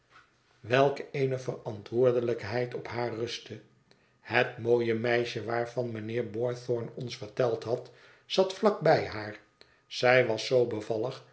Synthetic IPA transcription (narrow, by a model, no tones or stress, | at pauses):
ʋɛlˠkejnəfərɑntʋʊːɹdələkɦɛjtɔphaːrrɵstə | hətmoːjəmɛjʃəʋaːɹvɑnmənɪːɹbɔɹθɔɹnɔnsfəɹtɛlˠtɦɑt | z̥ɑtflɑk̚bɛjɦaːɹ | z̥ɛjʋɑsowbəvɑlˠəχ